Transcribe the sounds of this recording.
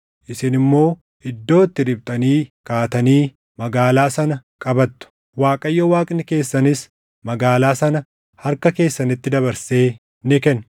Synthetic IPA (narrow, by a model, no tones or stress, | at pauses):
ʔɪsɪnɪmːo̞ː | ɪd̪ːo̞ːt̪ːɪɾɪb̚t̪ʼɐniːkaːt̪ɐniː | mɐɡaːlaːsɐnɐkʼɐbɐt̪ːʊ̥ | waːkʼɐjːɐwaːkʼnɪke̞ːsːɐnɪs | mɐɡaːlaːsɐnɐ | hɐɾkɐke̞ːsːɐnɪt̪ːɪd̪ɐβɐɾse̞ː | nɪkɛn